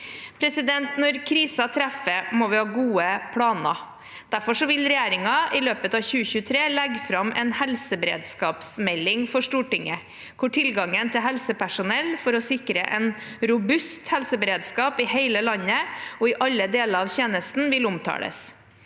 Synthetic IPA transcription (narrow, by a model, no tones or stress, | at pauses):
pʰɾɛsɪd̪ɛnt̪nɔɾkʰɾiːsɑt̪ʰɾɛfəmɔʋɪhɑːɡuːəpʰɽɑːnɑ̰ | d̪̥æɾfɔʂɔʋɪlɾɛjæːɾɪŋɑɪløːpət̪ɑːʋçʉːəçʉːət̪ʰɾeːlɛɡfɾɑmɛnhɛlsəbəɾḛːd̪skɑːpsmɛlːɪŋfɔʂʈuːʈɪŋːə | kʰʊʈʰɪlɡɑŋənt̪ʰɪlɦɛlsəpʰæʂʊnɛlfɔɾɔsɪkɾə̰ʔɛn | ɾʊbʉst̪hɛlsəbəɾeːd̪skɑːpɪheɪləlɑɲːəɔɪʔɑlːəd̪eːləɾɑʋçeːnəst̪n̩ʋɪlʊmt̪ʰɑ̰ːlə̰s